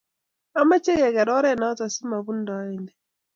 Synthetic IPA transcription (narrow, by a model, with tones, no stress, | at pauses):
a˦ma˦t͡ʃɛ˦ɡɛ˨ɡɛ˨ɾɔ˦ɾɛ˦˨na˨˦ta˨si˦ma˨βu˦ndɔ˨a˦i˦ndɛ˨